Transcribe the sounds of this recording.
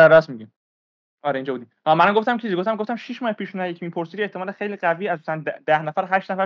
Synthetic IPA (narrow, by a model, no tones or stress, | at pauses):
æɾæsmiɟim | ɒːɾeind͡ʒɒːbuːd̪iʔɒːmænæmɡoft̪æmt͡ʃʰiziɡot̪æmɡoft̪æmʃiʃmɒːhepʰiːʃunæjecʰimiːpʰoɾsid̪ieht̪ʰːeɒːlexejliːɢæviːæsusændd̪æhnæfæɾɦæʃt̪næfæɾ